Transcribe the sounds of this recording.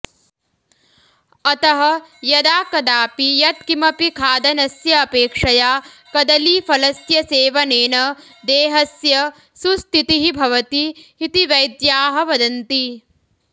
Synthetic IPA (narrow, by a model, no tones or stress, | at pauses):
ɐt̪ɐɦɐjɐd̪aːkɐd̪aːpijɐt̪̚kimɐpikʰaːd̪ɐnɐsjɐːpeːkʂɐjaː | kɐd̪ɐliːfɐlɐsjɐseːʋɐneːnɐ | d̪eːɦɐsjɐ | sust̪it̪iɦibʱɐʋɐt̪iɦit̪iʋɐjd̪jaːɦɐ̆ʋɐd̪ɐnt̪i